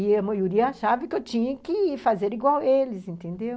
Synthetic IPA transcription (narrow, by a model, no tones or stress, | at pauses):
iɐmajuɾiɐaʃavɐkɪewt͡ʃĩɲɐkɪfazeɾiɡwawelɪsẽnt̪ẽnd̪ew